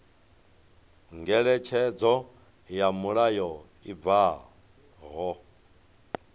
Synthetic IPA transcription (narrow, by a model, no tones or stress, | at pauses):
ŋɡɛɺɛt͡ʃʰɛd͡zɔ | jamuɺajɔ | iva | ɦɔ